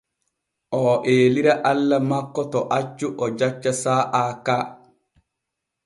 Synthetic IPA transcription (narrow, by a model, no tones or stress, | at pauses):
ʔɔʔeːliɾaʔalːamakːɔtɔʔat͡ʃːuʔɔd͡ʒat͡ʃːasaːʔaːkaː